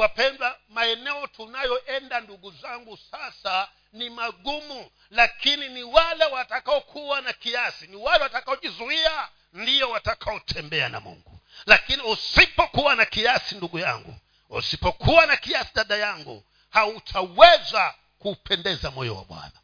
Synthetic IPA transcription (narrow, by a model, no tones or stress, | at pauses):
wapɛndamaɛnɛɔtʰunajɔʔɛndanduɡuzaŋɡusasa | nimaɠumu | lakininiwalɛwatakaɔkʰuwanakiasiniwalɛwatakaɔʄizuia | ndijɔwatakʰaɔtʰɛmbɛana̰mṵŋɡulakiniusipɔkuwanakiasinduɠuja̰ŋɡṵ | ṵsipɔkʰuwanakijasiɗaɗajaŋɡṵ | hautʰawɛza | kuːpʰɛndɛzamɔjɔ̰wa̰ɓwa̰na